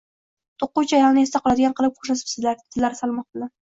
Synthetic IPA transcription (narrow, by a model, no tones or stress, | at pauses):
t̪ʰoqːʊt͡ʃʰajɒlˠnɪe̞st̪aqʰɒlˠad̪ɪɡʲanqʰɨlˠɪp̚χʰo̥ʃat̪ɪ̥psɪzlaɾt̪ʰɪlːaɾɪsalˠmɒq̚t̪ɪla